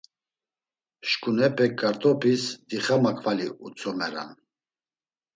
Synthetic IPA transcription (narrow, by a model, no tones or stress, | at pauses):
ʃkʼunɛpʼɛkːaɾt̪ʼɔpʰisd̪̥iχamakʰʼvaliut͡sʰʼɔmɛɾa̰n